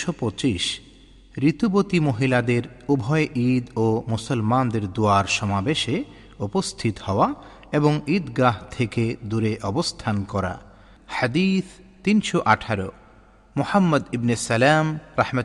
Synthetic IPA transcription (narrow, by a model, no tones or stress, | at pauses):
ʃopot͡ɕiʃ | ɾit̪ubot̪imoɦilad̪eɾubʱɔeʔid̪omusolmand̪eɾd̪uaɾʃɔmabeʃe | upost̪ʰit̪hɔoa | eboŋid̪ɡaɦt̪ʰeked̪uɾeʔɔbost̪ʰankɔɾa̰ | had̪it̪ʰ | t̪inʃoʔaʈʰaɾo̰ | muhamːɐd̪ibnesɛlamɾahma